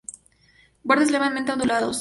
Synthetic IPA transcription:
boɾðes̬lemament̪eond̪ulaðos

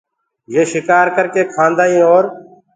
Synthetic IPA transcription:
jeːʃɪkaːɾkəɾkeːkʰãːnd̪aːĩːoːɾ

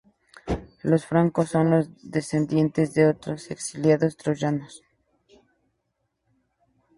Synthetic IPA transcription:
lo̞sfɾaŋkosːo̞nlo̞zðe̞se̞nd̪je̞nt̪e̞zðeo̞t̪ɾo̞se̞ksiljaðo̞st̪ɾoʝanos

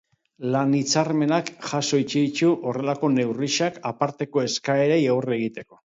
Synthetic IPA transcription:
lanit͡sarme̞nakʝaso̞it͡ʃeðit͡ʃuʔo̞re̞lako̞ne̞wriʃakapaɾt̪e̞ko̞e̞skaeɾejawree̞ɣit̪e̞ko̞̥

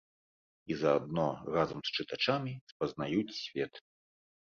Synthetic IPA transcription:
izɐːd̪̚nɔrazɐmst͡ʂɨt̪at͡ʂamʲispɐznajut͡sʲsʲvʲɛt̪

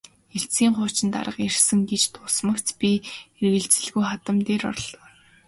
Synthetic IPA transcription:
eɬt͡siːŋχʊːt͡ɕɪ̆nt̪a̰ɾə̆qjersə̆ŋɡet͡ɕt̪ʰʊsmə̆kt̪pʲierɣɘ̆ɮt͡sɘ̆ɮɣujχat̪ə̆mt̪eːɾɔ̰rɮ̆

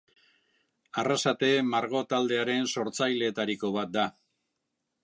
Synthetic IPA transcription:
arasat̪e̞maɾɣo̞t̪ald̪e̞aɾe̞nso̞ɾt͡sajle̞ːt̪aɾiko̞β̞at̪̚d̪a

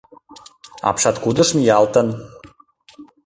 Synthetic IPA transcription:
ɑ̰pʃɑt̪kud̪ə̆ʃmijɑlt̪ə̆n

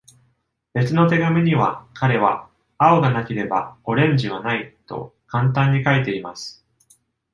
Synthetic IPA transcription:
be̞t͡sɨnot̪e̞ɡamʲiɲ̟iβakʰaɾe̞β̞a | ao̞ɡanakʲe̞ɾe̞ba̰o̞ɾẽ̞ɲ̟d͡ʑiβanait̪o̞̰kãnt̪ãɲ̟ːikaet̪e̞imasɨ̥

